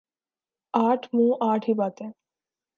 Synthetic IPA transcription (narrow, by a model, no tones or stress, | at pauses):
aːʈʰmũːʔaːʈʰɦiːbaːt̪ɛ̃ː